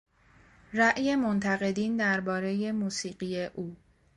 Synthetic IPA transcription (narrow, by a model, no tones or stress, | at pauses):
ræʔje̞mo̞nt̪ʰæɣe̞d̪iːnd̪æɾbɒːɾe̞je̞muːsiːɢiːje̞ʔuː